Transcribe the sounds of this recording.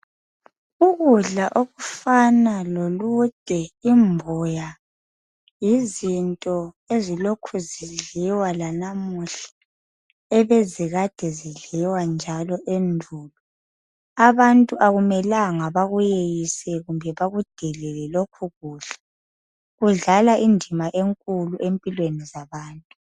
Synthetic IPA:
uɣuɮaʔoɣufanalolud̥ʱɛimbʱɔja | jizintʼɔ | ezilokʰuziɮiwalanamuɬḁ | ɛβeziɣad̥ʱɛziɮiwand͡ʒʱalɔʔendʱuːlu | aβantʼuʔaɣumɛlaŋaβaɣujejisɛɣumbʱɛβaɣud̥ʱɛlɛlɛlokʰuɣuːɬɛ̥ | ɣuɮalaʔindʱimaʔeŋkʼuluʔempʼilwenizaβaːntʼu

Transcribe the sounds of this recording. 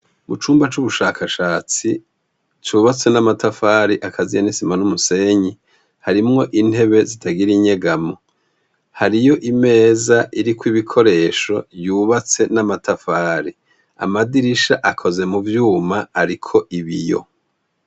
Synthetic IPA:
mut͡ʃuːmbat͡ʃuβuʃaːkʰaʃaːt͡si | t͡ʃuːβat͡se̞namatafaːɾiʔakʰazijanisimanumuse̞ɲi | haɾimŋo̞ʔin̥he̞βe̞zitʰaɡiɾiɲe̞ɡamo | haɾijo̞ʔime̞ːzaʔiɾikwiβikʰo̞ɾe̞ːʃo̞juːβat͡se̞namatafaːɾi | a̰madiɾiʃaʔakʰo̞ze̞muvjuːmaːɾikʰo̞ʔiβijo̞̰

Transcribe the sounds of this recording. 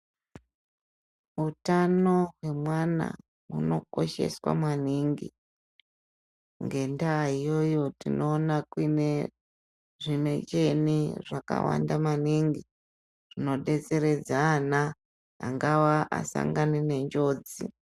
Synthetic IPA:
utano̞ɦwe̞mwana̰ | uno̞ko̞ʃe̞̰swa̰mwaniŋɡḭ | ŋɡe̞ndaːijo̞jo̞tino̞ːnakwine | ʐime̞t͡ʃe̞niʐaka̰wa̰ndamaniŋɡi | ʐ̥ino̞ɗe̞t͡seɾe̞d͡zaːna | a̰ŋɡawaʔa̰sa̰ŋɡanene̞ɲd͡ʒo̞ːd͡zi

